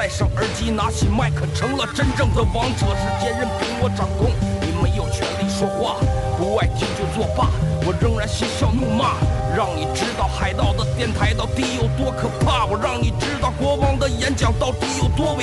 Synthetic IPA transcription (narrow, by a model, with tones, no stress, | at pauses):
a˥˧ɪʂɑ˨˩ŋə˞˧˥t͡ɕi˥na˧˥t͡ɕʰi˨˩ma˥˩ɪkʰə˨˩ʈ͡ʂʰɤ˧˥ŋlə˨ʈ͡ʂə˥nʈ͡ʂɤ˥˩ŋd̪ə˩wɑ˧˥ŋʈ͡ʂɤ˧˥ʂɻ̩˥˩t͡ɕjɛ˥˧nɻə˥˩npi˧˥ŋwɔ˧˥ʈ͡ʂɑ˨˩ŋkʊ˥ŋni˨˩me˧˥ɪjo˨˩ʊt͡ɕʰɥɛ˧˥nli˥˩ʂwɔ˥xwa˥˩pu˧˥wa˥˩ɪt͡ɕjo˥˧ʊt͡ɕjo˥˧ʊt͡swɔ˥˧˩pa˥˩wɔ˨˩ɻə˥˧ŋɻa˧˥nɕi˥ɕjɑ˥˧ʊnu˥˩ma˥˩ɻɑ˥˩ŋni˨˩ʈ͡ʂɻ̩˥t̪ɑ˥˩ʊxa˨˩ɪt̪ɑ˥˩ʊd̪ə˩t̪jɛ˥˩nt̪ʰa˧˥ɪt̪ɑ˥˧ʊt̪i˥˩jo˨˩ʊt̪wɔ˥kʰɤ˨˩pʰa˥˩wɔ˨˩ɻɑ˥˩ŋni˨˩ʈ͡ʂɻ̩˥t̪ɑ˥˩ʊkwɔ˧˥fɑ˥ŋd̪ə˨jɛ˧˥nt͡ɕjɑ˨˩ŋt̪ɑ˥˩ʊt̪i˥˩jo˨˩ʊt̪wɔ˥e˧˥